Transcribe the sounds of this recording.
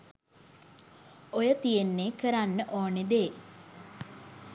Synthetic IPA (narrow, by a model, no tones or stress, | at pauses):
ojət̪ijenːeːkəɾanːəʔoːned̪e